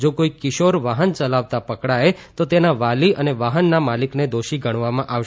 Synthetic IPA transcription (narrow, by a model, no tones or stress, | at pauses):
d͡ʒokoikɪʃoɾʋaɦənt͡ʃəlaʋt̪apəkɽaet̪ot̪enaʋaliʔəneʋaɦənːamalikned̪oʃiɡʱəɽ̃ʋamãʔaʋʃ